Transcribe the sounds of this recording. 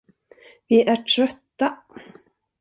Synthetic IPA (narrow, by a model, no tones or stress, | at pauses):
viʔæʈʰɾœt̪ːa